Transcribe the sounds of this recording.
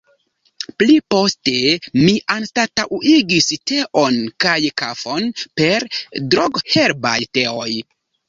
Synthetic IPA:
plipo̞ste̞miʔanstataʔuʔiɡiste̞ʔo̞nkajkafo̞npe̞ɾdɾoɡhe̞ɾba̰jteo̞j

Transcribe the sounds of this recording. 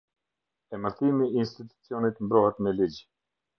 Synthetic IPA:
ɛməɾθimiːnst̪it̪u̥t͡siɔnit̪mbɾɔhɛt̪mɛlid͡ʑ

